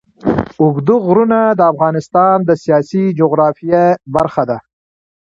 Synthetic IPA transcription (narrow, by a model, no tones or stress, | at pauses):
ʊɡd̪uɣɾunad̪əafɣɑnɪst̪ɑnd̪əsijɑːsid͡ʒoɣɾɑːfijebaɾxad̪a